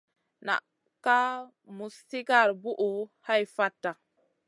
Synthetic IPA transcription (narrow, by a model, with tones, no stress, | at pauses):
na̰˨ʔ | ka˦ | mu˨sti˦ka˦˨ɾbu˦ʔu˨ha˦jfa˦tːa˨